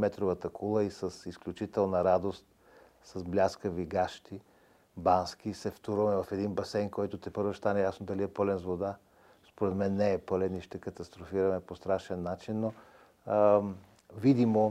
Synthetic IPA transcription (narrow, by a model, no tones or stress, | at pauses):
mɛt̪ɾovət̪əkʰulˠəisəsisklʲut͡ʃit̪ɛlˠnɐɾad̪ost̪ | sɐzblʲaskəviɡaʃt̪i | bansk̟isɛft̪oɾəmɛvɐfɛd̪inbɐsɛjnkɔjt̪ʊt̪ɛpɤɾvəʃst̪anɛjasnod̪ɐliɛpɤlɛnzvod̪a | spoɾɛt̪mɛnːɛɛpɤlɛniʃt̪ɛkət̪ɐst̪ɾofiɾɐmɛpost̪ɾaʃɛnːat͡ʃinːo | vid̪imo